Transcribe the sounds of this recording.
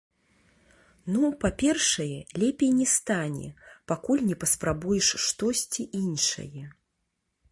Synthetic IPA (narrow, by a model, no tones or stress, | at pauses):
nupapʲɛrʂɐjɛlʲɛpʲejnʲɛst̪anʲɛ̰pakulʲnʲɛpɐspɾabujɛʂʂt̪ɔsʲt͡sʲiʔinʂɐ̰jɛ